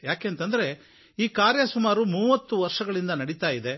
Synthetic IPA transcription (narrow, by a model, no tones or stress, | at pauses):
jaːkeːnt̪ɐnd̪ɐɾe̞ | iːkaːɾjɐsumaːɾumuːʋɐt̪ːuʋɐɾʂɐɡɐɭind̪ɐnɐɽit̪aːjid̪e̞